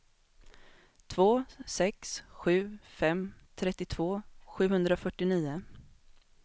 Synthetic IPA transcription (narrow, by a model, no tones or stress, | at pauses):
t̪ʰv̥oːsɛksɧʉ̟ːfɛmt̪ʰɾɛt̪ːɪt̪ʰv̥oːɧʉ̟ːɦɵnd̪ɾaɔfœʈːɪniːʊ